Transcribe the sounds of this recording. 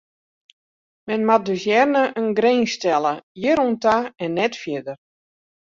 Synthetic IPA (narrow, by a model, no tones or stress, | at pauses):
mɛnmat̚døsjɛrnəʔənɡreːnstɛlˠəjɪɾuntaɛnːɛtfjɪdər